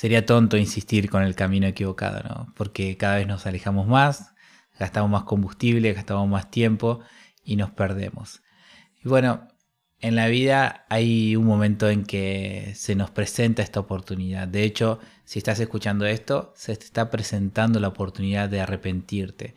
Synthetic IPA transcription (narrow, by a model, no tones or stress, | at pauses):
se̞ɾiat̪o̞nt̪o̞insist̪iɾko̞ne̞lkamĩno̞e̞kiβ̞o̞ka̰ð̞o̰no̰po̞ɾke̞kaðaβe̞zno̞sale̞xamo̞zmas | ɣast̪amozmasko̞mbust̪iβle̞ɣast̪amozmast̪je̞mpo̞ | ino̞speɾð̞e̞̰mo̞̰s | iβwe̞no̞ | e̞nlaβið̞aajuŋmõ̞mẽ̞nt̪o̞e̞ŋke̞se̞no̞spɾe̞se̞nt̪aest̪aopoɾt̪uniðaðd̪e̞et͡ʃo̞ | siest̪ase̞skut͡ʃand̪o̞e̞st̪o̞sete̥st̪apɾese̞nt̪and̪o̞laopo̞ɾt̪uniðaðe̞are̞pe̞nt̪iɾt̪e̞̰